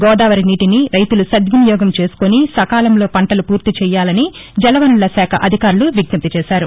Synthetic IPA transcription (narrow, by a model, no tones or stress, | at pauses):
ɡɔːd̪aːʋɐɾiniːʈiniɾɐjt̪ulusɐd̪ʋinijɔːɡɐmt͡ʃe̞ːsu̥konisɐkaːlɐmlo̞ːpɐɳʈɐlupuːɾt̪it͡ʃɛjːaːlɐni | d͡ʒɛlɐʋɐnulɐsaːkʰɐʔɐd̪ʱikaːɾuluʋiɡnɐpt̪it͡ʃɛːʃaːɾu